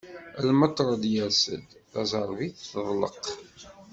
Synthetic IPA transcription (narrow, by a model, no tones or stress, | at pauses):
əlmət̪ˤːɾˤɑd̪jəɾsə̰lθæzˤəɾˤviθːəðˤlə̰q